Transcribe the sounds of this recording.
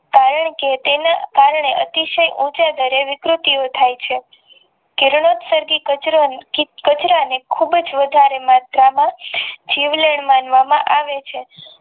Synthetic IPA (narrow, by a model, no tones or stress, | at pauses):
kaɾəɳket̪enakaɾɳeʔət̪iʃəjʔũt͡ʃad̪əɾeʋɪkɾut̪iot̪ʰajt͡ʃʰe | kɪɾɳot̪səɾɡikəikət͡ʃɾanekʰubd͡ʒʋəd̪ʱaɾemat̪ɾamãd͡ʒiʋleɳmãnʋamã̰ʔaʋet͡ʃʰe